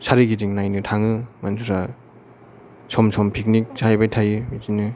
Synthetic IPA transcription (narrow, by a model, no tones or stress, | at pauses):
sʰaɾiɡidiŋnajnɯtʰaŋɯmantʰuɾa | sʰɔmsʰɔmpʰik̚nik̚z̥aajbajtʰajɯmizinɯ